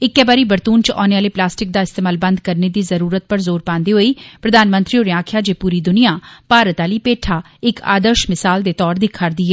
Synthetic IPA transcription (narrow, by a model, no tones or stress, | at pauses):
ɪkːɛːbaːɾiːbəɾt̪uːnt͡ʃʔɔːneaːleːplaːsʈɪk̚d̪aːɪst̪eːmaːlbə̃nd̪kəɾneːd̪iːzəɾuːɾət̪̚pəɾzoːɾpãːnd̪eːɦoːiːpɾəd̪aːnmə̃nt̪ɾiːoːɾeãːkʰjaːd͡ʒeːpuːɾiːd̪ʊnijaːpaːɾət̪aːliːpeːʈʰaː | ɪka̰ːd̪əɾʃmɪsaːld̪eːt̪ɔːɾd̪ikʰːaːɾd̪iːɦɛː